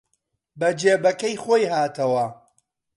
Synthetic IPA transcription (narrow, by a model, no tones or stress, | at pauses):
bɐd͡ʒeːbɐkɐjχoːjɦaːt̪ʰɐwɐ